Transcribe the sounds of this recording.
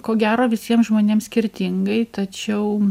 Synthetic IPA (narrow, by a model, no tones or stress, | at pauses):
koːɡʲæːɾoːʋʲɪsʲiɛmʒmoːnʲeːmsʲkʲɪɾʲt̪ʲɪŋɡɐɪt̪ɐt͡ʃʲɛʊ